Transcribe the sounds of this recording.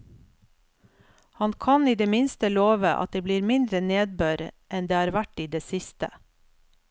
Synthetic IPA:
hɑnkʰɑniːd̪eːmɪnst̪əloːʋəʔɑ̰t̪̚d̪eːbliːɾmɪnd̪ɾəneːd̪̚bøːɾʔɛnd̪eːhɑːɾʋæʈiːd̪eːsɪst̪ə̰

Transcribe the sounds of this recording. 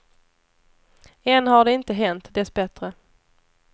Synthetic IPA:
ɛnhaɖɛɪnt̪əɦɛnt̪d̪ɛsbɛt̪ɾə

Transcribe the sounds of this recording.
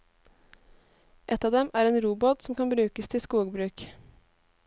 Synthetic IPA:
ʔɛt̪ɑːʋd̪ɛmʔæːɾeːnɾuːbɔt̪smkʰɑnbɾʉːkəst̪ʰɪskuːɡbɾʉːk

